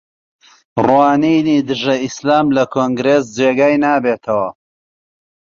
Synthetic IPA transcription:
rwaːnijnid̪ɨʒɐislaːmlɐkʰoːŋɡɾeːsd͡ʒeːɡaːjnaːbeːt̪ʰɐwɐ

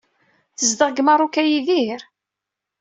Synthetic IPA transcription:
θəzd̪əʁɡməɾˤukæjiðiɾ

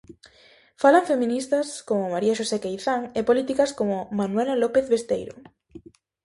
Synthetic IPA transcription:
falaɱfemĩnist̪ɐskomʊmaɾiaʃosekejθaŋepolit̪ikaskomʊmanwelalopeθβest̪ejɾo̰

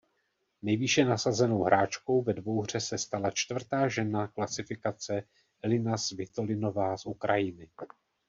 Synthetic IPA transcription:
nɛjviʃɛnasazɛno̞wɦɾaːt͡ʃko̞wvɛdvo̞wɦr̝̥ɛsɛst̪alat͡ʃt̪vr̩t̪aːʒɛnaklasɪfɪkat͡sɛ | lɪnasvɪt̪o̞lɪno̞vaːsʔukɾajɪnɪ

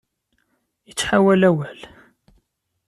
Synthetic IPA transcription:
jət͡sːħawælæwæl

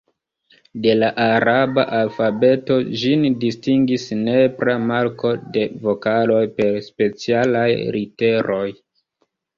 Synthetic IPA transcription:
de̞laʔaɾabaʔalfabe̞to̞ʒindistiŋɡisne̞pɾamaɾko̞de̞vo̞kalo̞jpe̞ɾspe̞t͡sialajɾite̞ɾo̞j

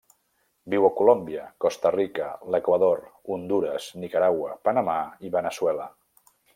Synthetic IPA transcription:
biwəkulombiəkɔst̪ərikələkwəðoɾund̪uɾəznikəɾawəpənəmaiβənəswɛlə

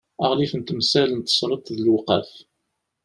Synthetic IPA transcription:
əʁlifənt̪əmsælənt̪ːə̥sˤɾˤət̪ðəlwqæ̰f

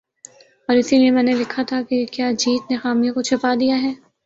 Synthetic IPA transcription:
ɔːɾɪsiliemɛ̃ːnelɪkʰat̪ʰakekjaːd͡ʒiːt̪nexaːmijãkot͡ʃʰɪpad̪ijaɦɛː

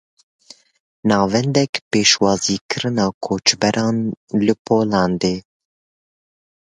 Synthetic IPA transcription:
nɑːvɛnd̪ɛkpeːʃwɑːziːkʰɨɾɨnɑːkʰoːt͡ʃbɛɾʔɑːnlɨpʰoːlɑːnd̪eː

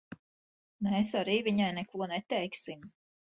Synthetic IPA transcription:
mesaɾiːviɲajnɛkuɔnɛt̪ɛjksim

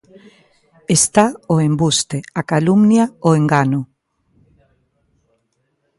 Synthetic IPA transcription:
est̪aoembust̪eakalumnjaoeŋɡano

